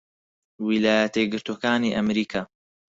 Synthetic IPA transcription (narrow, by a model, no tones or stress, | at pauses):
wilaːjɐt̪eɡɨɾt̪oːkaːniːʔɐmɾiːkʰaː